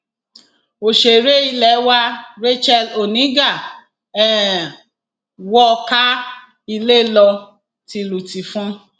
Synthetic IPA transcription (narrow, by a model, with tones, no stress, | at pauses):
o˨ʃe˨ɾe˦i˧lɛ˨˦wa˦ɾe˦t͡ʃɛ˦˧lo˨nĩ˨˦ɡa˦˨ | ɛ˦˨ | wɔ˦˧ka˦ | i˧le˦lɔ˧ | ti˧lu˨ti˨fũ˦